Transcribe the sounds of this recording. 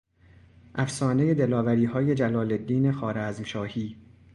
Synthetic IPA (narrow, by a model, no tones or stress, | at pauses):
ʔæfsɒːne̞je̞d̪elɒːvæɾiːhɒːje̞d͡ʒælɒːle̞d̪ːiːne̞xɒːɾæːzmʃɒːhiː